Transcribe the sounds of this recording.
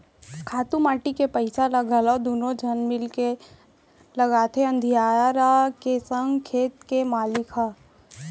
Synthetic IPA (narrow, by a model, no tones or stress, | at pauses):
kʰaːt̪ũmaːʈikepɐɪsaləɡalod̪uːnõd͡ʒʱɐnmɪlke | lɐɡaːt̪ʰeɐ̃nd̪ʱijaːɾakesə̃ŋɡkʰeːt̪kemaːlɪkʰa